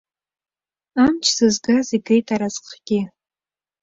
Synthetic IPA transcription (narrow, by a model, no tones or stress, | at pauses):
amt͡ʃʰsɨzɡaziɡejtʼaɾazqʰɡ̥ʲɪ